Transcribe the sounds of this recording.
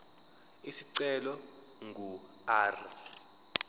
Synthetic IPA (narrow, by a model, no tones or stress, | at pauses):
isiǀɛlɔ | ŋɡʱu | aːri